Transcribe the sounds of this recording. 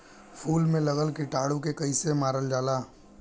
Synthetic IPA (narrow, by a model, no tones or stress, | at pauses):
pʰuːlmẽlɐɣəlkiʈaːɽukekɐisemaːɾəld͡ʒaːlaː